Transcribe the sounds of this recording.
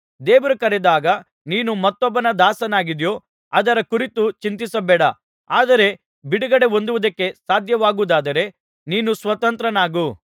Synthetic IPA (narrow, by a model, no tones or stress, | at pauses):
d̪eːʋɐɾukɐɾed̪aːɡɐ | niːnumɐt̪ːɔbːɐnɐd̪aːsɐnaːɡid̪jo̞ː | ɐd̪ɐɾɐkuɾit̪ut͡ʃint̪isɐbɛːɽɐ | aːd̪ɐɾe̞ | biɽuɡɐɽe̞o̞nd̪uʋud̪ɐkːe̞saːd̪ʱjɐʋaːɡuːd̪aːd̪ɐɾe̞ | niːnusʋɐt̪ɐnt̪ɾɐnaːɡu